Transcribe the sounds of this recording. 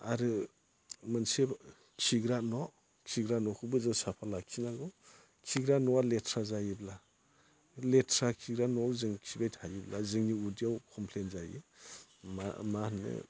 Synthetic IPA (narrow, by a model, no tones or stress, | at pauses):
aɾɯ | mɯnse | kʰiɡɾanɔ | kʰiɡɾanɔkʰɯbɯzasapʰalakʰinaɡɔ | kʰiɡɾanɔaletʰɾazajibla | letʰɾakʰiɡɾanɔawzɯŋkʰibajtʰajiblazɯŋniudiawkʰɔmpʰlenzajḭ | mamanɯ̰